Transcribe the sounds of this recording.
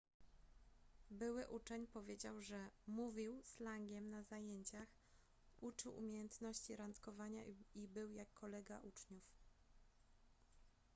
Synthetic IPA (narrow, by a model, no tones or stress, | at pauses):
bɘwɘʔut͡ʂɛɲpɔvʲjed͡ʑawʐɛmuvʲiwslaŋɡʲjɛmnazajeɲt͡ɕax | ut͡ʂɘwʔṵmʲjejɛnt̪nɔɕt͡ɕiɾant̪kɔvaɲaibɘwjakːɔlɛɡa̰ʔut͡ʂɲuf